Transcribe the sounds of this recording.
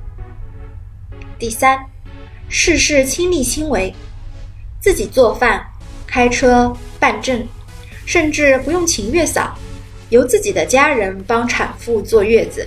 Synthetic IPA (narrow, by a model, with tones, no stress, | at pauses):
t̪i˥˩sa˥n | ʂɻ̩˥˧ʂɻ̩˥˩t͡ɕʰi˥ŋli˥˩ɕʰi˥ŋwe˧˥ɪ | t͡sɹ̩˥˩t͡ɕi˨˩t͡swɔ˥˧fa˥˩n | kʰa˥ɪʈ͡ʂʰɤ˥pa˥˧nʈ͡ʂə˥˩n | ʂə˥˧nʈ͡ʂɻ̩˥˩pu˧˥jʊ˥˩ŋt͡ɕʰi˧˥ŋɥɛ˥˩sɑ̰˨˩˦ʊ | jo˧˥ʊt͡sɹ̩˥˩t͡ɕi˨˩d̪ə˦t͡ɕja˥ɻə˧˥npɑ˥ŋʈ͡ʂʰa˨˩nfu˥˧t͡swɔ˥˧ɥɛ˥˩d͡zɹ̩˩˦